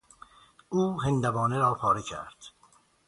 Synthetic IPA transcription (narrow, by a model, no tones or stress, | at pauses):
uːɦend̪ævɒːneɾɒːpʰɒːɾecʰæ̰ɾd̪̥